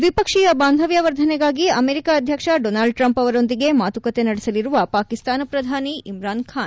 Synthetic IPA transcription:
ʋipɐkʂijɐbaːnd̪ʱɐʋjɐʋɐɾd̪ʱɐnɛɡaːɡiɐmeːɾikaːd̪ʱjɐkʂɐɖonaːlɖ̚ʈɾɐmpɐʋɐɾo̞nd̪iɡe̞maːt̪ukɐt̪e̞nɐɽɛsɐliɾuʋɐpaːkist̪aːnɐpɾɐd̪ʱaːniimɾaːnkʰaːn

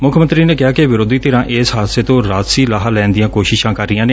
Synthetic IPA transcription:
mʊkʰmənt̪ɾiːneːkɪɦaːkeʋɪɾoːd̪iːt̪ɪɾãːʔeːsɦaːd̪seːt̪õːɾaːd̪siːlaːɦaːlɛːnd̪ijãːkoːʃɪʃãːkəɾːɪjãːneː

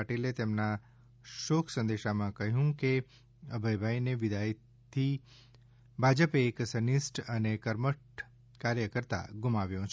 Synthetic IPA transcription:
ʈilet̪emna | ʃoːkʰsə̃nd̪eʃamãkəɦjũke | əbʱəjbʱaineʋɪd̪ai | t̪ʰi | bʱad͡ʒəpeːksənisʈənekəɾməʈ | kaɾjəkəɾt̪a̰ɡʊmaʋjõt͡ʃʰ

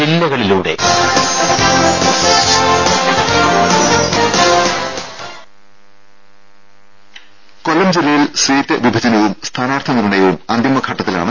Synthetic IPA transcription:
ilːɐɣɐɭiluːɽe̞̰ | kolːɐmd͡ʑilːɐjilsʋiːtːɨʋibʱɐd͡ʑɐnɐʋumst̪ʰaːnaːrt̪ʰɐmiɾuɳɐjɐʋumɐnd̪imɐkʰɐʈːɐt̪ːila̰ːɳɨ

